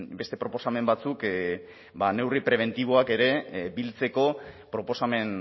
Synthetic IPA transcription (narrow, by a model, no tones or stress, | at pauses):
be̞st̪e̞pɾo̞po̞same̞mbat͡suk | bane̞wripɾe̞β̞e̞nt̪iβ̞o̞ake̞ɾe̞bilt͡se̞ko̞pɾo̞po̞same̞n